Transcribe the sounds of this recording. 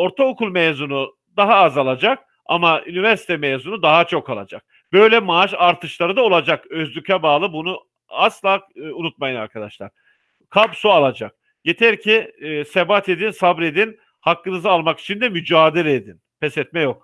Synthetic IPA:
o̞ɾt̪ʰaokulˠmejzunu | d̪aɦaːzalˠad͡ʒak̚ | a̰maʔynivæɾsi̥t̪ʰɛmezunud̪aɦat͡ʃʰo̞kalˠa̰d͡ʒak̚ | b̥ø̞jlʲɛmaːʃaɾt̪ʰɯʃlˠaɾɯd̪ao̞lˠad͡ʒakøzlʲycʰɛbaːlˠɯbunu | aslˠaːunut̪̚majɯna̰ɾkʰad̪aʃlˠa̰ɾ̥ | kʰabsualˠad͡ʒak̚ | jet̪ʰɛɾcʰiːsebat̪ʰe̞d̪insabɾed̪in | hakːɯnɯzɯalˠmaki̥t͡ʃʰind̪ɛmyd͡ʒaːd̪elʲɛed̪inpʰɛsɛt̪mɛjo̞k̚

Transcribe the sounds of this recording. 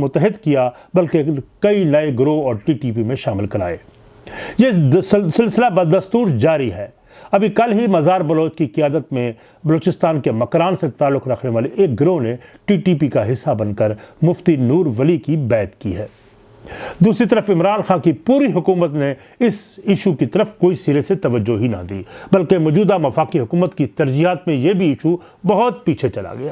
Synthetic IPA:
mʊt̪ːəɦɪd̪kija | bɐlkekɐinɐeɡɾoɔːɾʈiːʈiːp̬imẽʃaːmɪlkɐɾa̰ːḛː | jesɪlsɪlabɐd̪ɐst̪uːɾd͡ʒaːɾiɦɛː | ɐbʱikɐlɦimɐzaːɾbɐloːt͡ʃkiqɪjaːd̪ət̪mẽ | bɐloːt͡ʃɪst̪aːnkemɐkɾaːnset̪aːlːʊkɾɐkʰneʋaːleʔeːk̚ɡɾoɦneʈiːʈiːpikaɦɪsːabɐnkəɾmʊft̪inuːɾʋɐlikibɛːt̪kḭɦɛː | d̪uːsɾit̪ɐɾəfɪmɾaːnxaːnkipuːɾiɦʊkuːmət̪ne | ɪsɪʃukit̪ɐɾəfkoːisiːɾeset̪ɐʋəd͡ʒːoɦinɐ̰d̪ḭːbɐlkemɔːd͡ʒuːd̪amɐfaːkiɦʊkuːmət̪kit̪ɐɾd͡ʒiɦaːt̪mẽjebʱiɪʃu | bɐɦʊt̪̚piːt͡ʃʰet͡ʃɐla̰ɡɐjaː

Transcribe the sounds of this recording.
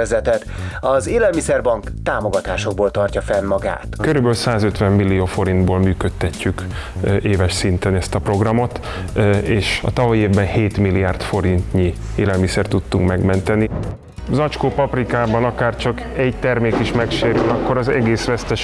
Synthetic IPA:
ɛzɛt̪ɛt̪ɒzeːlɛlmisɛrbɒŋkt̪aːmoɡɒt̪aːʃo̞ɡ̚boːlt̪ɒrcɒfɛnmɒɡa̰ːt̪køɾybølsaːzø̞t̪ʋɛmːilːijoːfo̞ɾind̪boːlmyːkøt̪ːɛcʰːykeːvɛʃsint̪ɛnɛst̪ɒpro̞ɡrɒmo̞t̪ | eːʃɒ̰t̪ɒvɒjieːvbɛnheːt̪milːijaːrt̪fo̞ɾint̪ɲi | eːlɛlmisɛrt̪ːut̪ːuŋkmɛɡmɛnt̪ɛni | zɒt͡ʃkoːpɒprikaːbɒnɒkaːrt͡ʃɒk | ɛɟt̪ɛrmeːkiʃmɛkʃeːɾylɒkːo̞ɾɒzɛɡeːsʋɛst̪ɛʃ

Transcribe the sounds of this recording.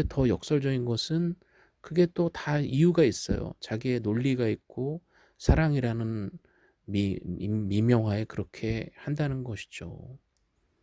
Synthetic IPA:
etʌjʌk̚s͈ʌɭd͡ʑʌɡinɡʌsʰɯn | kɯɡe̞t͈otaijuɡais͈ʌ̰jo̰t͡ɕaɡie̞noʎːiɡaik̚k͈o | sʰaɾaŋiɾanɯn | mimimjʌŋɦwaekɯɾʌkʰe̞handanɯnɡʌɕʰi̥d͡ʑo̰

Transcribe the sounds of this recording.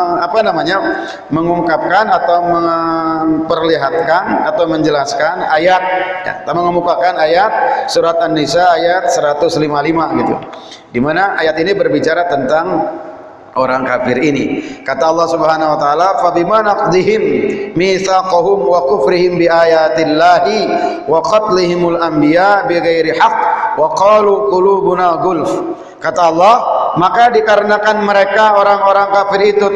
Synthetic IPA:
apanamaɲa | məŋuŋkap̚kanat̪awmə | pərliɦat̪̚kanat̪awməɲd͡ʒəlaskanajat̪̚ja̰t̪aməŋəmukakanajat̪̚suɾat̪anːisaːjat̪̚səɾat̪ʊslimalimaɡit̪ṵ | dimanaʔajat̪inibərbit͡ʃaɾat̪ənt̪aŋ | ʔoɾaŋkafɪɾinikat̪aɑlˠːɑhsubəɦanawat̪aːlafabimanɑq̚d̪iɦɪmːiθaqʊɦʊmwakʊfɾɪɦɪmbiʔajat̪ɪlːaɦi | wɑqɑt̪lɪɦɪmalʔambiaʔbiɣajɾiħɑq̚wɑqɑːluqʊluːbunaɣʊlf | kat̪aɑlˠːɑhmakadikaɾənakanməɾekaoɾaŋoɾaŋkafɪrit̪u

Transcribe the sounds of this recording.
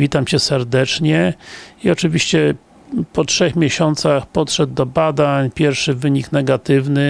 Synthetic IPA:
vʲit̪amt͡ɕɛsɛɾd̪ɛt͡ʂɲɛiɔt͡ʂɘvʲiɕt͡ɕɛ | pɔtʂɛxmʲjɛɕɔnt̪saxpɔtʂɛd̪̚d̪ɔbad̪aɲpʲjɛɾfʂɘvɘɲiknɛɡat̪ɘvnɘ

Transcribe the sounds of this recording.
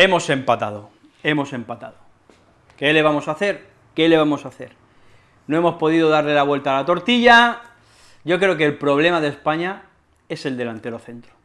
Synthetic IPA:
e̞mo̞se̞mpat̪að̞o | e̞mo̞se̞mpat̪a̰ðo | ke̞le̞β̞amo̞saθe̞ɾ | ke̞le̞β̞amo̞saθe̞ɾ | no̞e̞mo̞spo̞ðiðoðaɾle̞laβwe̞lt̪alat̪o̞ɾt̪iʎa | ɟ͡ʝo̞kɾe̞okelpɾo̞β̞le̞maðe̞spaɲa | e̞se̞ld̪e̞lant̪e̞ɾoθe̞nt̪ɾo

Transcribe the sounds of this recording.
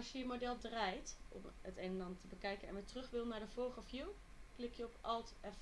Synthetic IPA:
ʃjəjəmodɛlˠdrajtʔɔ̰mətejnənɑntəbəkɛjkənɛ̰nʋətrɵχʋɪlˠnaːɹdəvɔɹχəfjiw | klɪkjəɔpɑlˠtɛf

